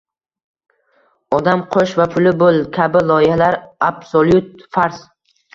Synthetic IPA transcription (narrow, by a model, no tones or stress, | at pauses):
ɒd̪amqʰoʃvapʰʊlɪbolˠkʲʰabɪlˠɒɪhalaɾabsolˠjʊt̪̚faɾs